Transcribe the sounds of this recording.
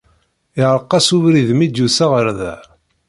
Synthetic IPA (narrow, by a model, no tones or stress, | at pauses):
ɪʁɾəqːɑsuvɾiðmid̪jusaʁəɾðæ̰ʕ